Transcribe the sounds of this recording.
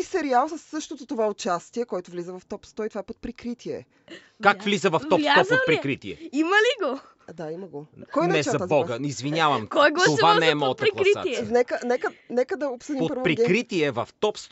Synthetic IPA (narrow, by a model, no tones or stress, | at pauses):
isɛɾialˠsəsːɤʃt̪ot̪ot̪ovaot͡ʃast̪iɛkɔjt̪oʊvlizəvɐft̪ɔpst̪ɔit̪ovaɛpot̪̚pɾikɾit̪iɛ | kakvlizəvɐft̪ɔɔpot̪̚pɾikɾit̪iɛ̰imɐliɡo | d̪aimɐɡokɔjnnɛt͡ʃzɐt̪azbɔɡəizvinʲjavɐmojɡ̪ovanɛɛmɔt̪ɐɾsa̰nɛkənɛkənɛkəd̪ɐopsəd̪ipotpəɾvopɾiɡkɾit̪iɛvɐft̪ɔpst̪